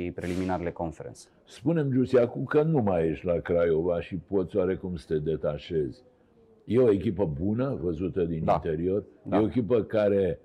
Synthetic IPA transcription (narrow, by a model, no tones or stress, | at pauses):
ipɾeliminaɾelekonfeɾḛnt̪s | spune̞md͡ʒusiakumkənumajeʃʲlakɾajo̞vaʃipo̞t̪sʲaɾe̞kumsə̥t̪e̞d̪e̞t̪aʃe̞z̥ʲ | je̞o̞e̞kʲipəbunəvəzut̪əd̪innat̪e̞ɾio̞rjeoekʲipəkaɾe̞